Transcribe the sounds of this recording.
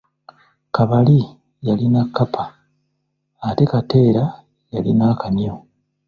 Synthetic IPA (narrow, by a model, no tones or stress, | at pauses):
kaβali | jalinakːapʰa | te̞kate̞ːɾa | jalinakanjo